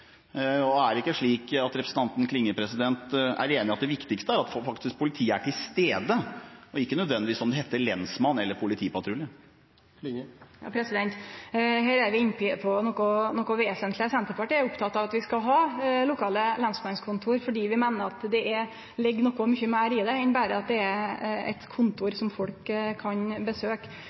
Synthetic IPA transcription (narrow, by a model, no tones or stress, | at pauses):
ɔæɾɪkːəʂɭiːkɑt̪ɾɛpɾəsn̩t̪ɑnt̪n̩kʰlɪŋːəpʰɾɛsɪd̪ɛnt̪æ̰ɾeːnɪɑt̪̚d̪ɛʋɪkt̪ɪkst̪əæɾɑt̪ffɑkt̪ɪsk̚pʰʊlɪt̪ʰiːəæʈʰɪlst̪eːd̪əɔɪkːənœd̪ʋɛnd̪ɪʋiːsɔmd̪ɛhɛt̪ːəɭɛnsmɑnːɛlːəɾpʰʊlɪt̪ʰiːpɑt̪ʰɾʉlə | jɑ̰ːpʰɾɛsɪd̪ɛnt̪heːɾæɾʋɪɪnːpʰɪpʰɔnɔkɔnɔkːɔʋeːsənt̪ʰlɪəsɛnt̪əɾpɑʈiːɾʊpt̪ʰɑt̪ːɑʋɑt̪ʋɪskɑɦɑːlʊkʰɑːləlɛnsmɑnskʰʊnt̪ʰuːɾfɔɖiːʋɪmæːnəɾɑt̪d̪ɛʔɛ | lɪɡːnɔkːɔmʏçəmæɪɾɪd̪ɛɛnbæːɾəɑt̪̚d̪ɛæɛ̰t̪kʰʊnt̪ʊɾsɔmfɔlkkʰːɑnbəsøːk